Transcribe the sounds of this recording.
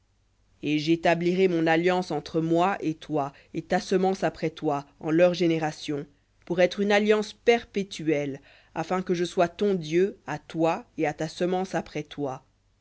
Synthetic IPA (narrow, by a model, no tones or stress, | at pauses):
eʒet̪abliʁɛmɔ̃naljɑ̃sɑ̃t̪χəmwaʔet̪wa | et̪asəmɑ̃sapχɛt̪waɑ̃lœʁʒeneʁasjɔ̃ | puʁɛt̪χynaljɑ̃spɛʁpet̪yɛl | afɛ̃kəʒəswat̪ɔ̃d̪jøat̪waeat̪asəmɑ̃sapχɛt̪wa